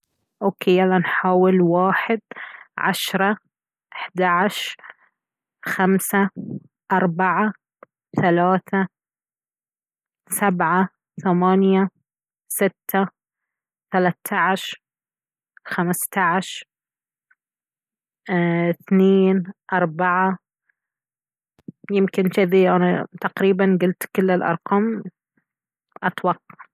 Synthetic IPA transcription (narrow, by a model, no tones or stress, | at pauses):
ʔoːkejːalanħaːwɪlwaːħɪd̪ʕa̰ʃɾˤɑ | ʔɪħd̪aʕaʃ | xamsa | ʔɑɾˤbaʕa | θalaːθa | sabʕa | θamaːnja | sɪt̪ːa | θalat̪ʰːaʕaʃɾ | xamst̪aʕʃɾ | θneːnʔɑɾˤbaʕa | jɪmkɪnʃɪðiʔanat̪ɑqɾiːbanɡʊlt̪kɪlːɪlʔɑ̰ɾˤqɑːm | ʔɑt̪wɑqːɑ̥